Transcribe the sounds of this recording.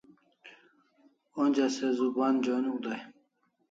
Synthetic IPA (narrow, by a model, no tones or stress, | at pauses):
onʲd͡ʑasezuband͡ʑonud̪aj